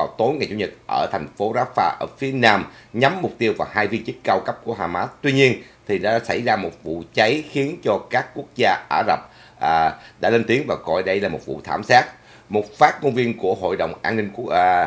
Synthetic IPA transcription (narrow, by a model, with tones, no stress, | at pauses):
a˨˩wt̪o˨˦jŋa˨˩t͡ɕṵ˧˩ɲə˨˩t̚ʔəː˧˩t̪ʰɛ˨˩jŋ̟fo˨˦zaː˦˥faː˧ʔəː˧˩fi˨˦ənaː˧mɲa˨˦mːʊ˨˩k͡p̚t̪i˧əwvaː˨˩whaː˧jvi˧ənt͡ɕi˦˥k̚ka˧wkə˦˥p̚ku˧˩əɦaː˨˩maː˦˥t̚t̪wi˧ɲi˧ən | t̪ʰi˨˩ɗa̰ː˧˥sa̰˧˩jzaː˧mo˨˩t̚vṵ˧˨t͡ɕə˨˦jxi˨˦ənt͡ɕɔ˧kaː˦˥kːu˦˥ək̚zaː˧ʔaː˧˩zə˨˩p̚ | ʔːɗa̰ː˧˥le˧nt̪i˨˦ənvaː˨˩kɔ̰˧˨˩jɗə˧jlaː˨˩mo˨˩t̚vṵ˧˨t̪ʰaː˧˩msaː˦˥t̚ | mo˨˩t̚faː˦˥t̚ŋo˧nvi˧ənku˧˩əɦo̰˧˨jɗə̰˧˨wŋ͡mʔaː˧nːï˧ŋ̟ku˦˥ə